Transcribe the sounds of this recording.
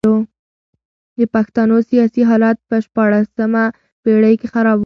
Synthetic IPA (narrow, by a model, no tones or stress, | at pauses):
o | d̪əpaxt̪anosijɑsiɦɑlat̪̚pəʃpɑɽasəma | peɽəjkexaɾɑb